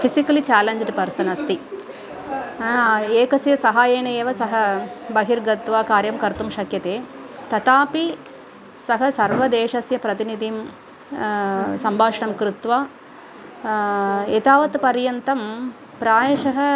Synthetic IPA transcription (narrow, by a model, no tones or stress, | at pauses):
pʰisikɐlit͡ʃaːlɐɲd͡ʒɖpɐɾsɐnɐst̪i | eːkɐsjɐsɐɦaːjeːɳɐeːʋɐsɐɦɐbɐɦiɾɡɐt̪ʋaːkaːɾjɐmkɐɾt̪umʃɐkjɐt̪eːt̪ɐt̪aːpi | sɐɦɐsɐɾʋɐd̪eːʂɐsjɐpɾɐt̪inid̪ʱim | sɐmbʱaːʂɐɳɐmkɾut̪ʋaː | et̪aːʋɐt̪pɐɾjɐnt̪ɐm | pɾaːjɐʃɐɦɐ